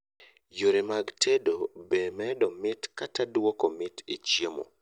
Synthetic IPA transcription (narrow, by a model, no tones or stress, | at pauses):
joɾemaɡtʰedobemɛdɔmɪtkatadwɔkomɪtḭt͡ʃjemo̰